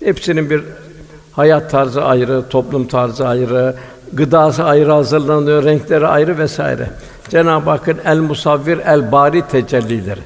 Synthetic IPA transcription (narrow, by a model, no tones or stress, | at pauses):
hɛpsininbiɾ | hajat̪ʰːaɾzɯʔajɾɯt̪ʰo̞plˠumt̪ʰaɾzɯajɯɾɯ | ɡɯd̪aːsɯajɯɾɯhazɯɾlˠand̪ɯjoɾɛɲclʲeɾiajɾɯvɛsa̰ːḭɾɛ̰ | d͡ʒɛnaːbaːkʰɯnælʲmusavːiɾælʲbaːɾiːt̪ʰɛd͡ʒɛlʲːilʲeɾɪ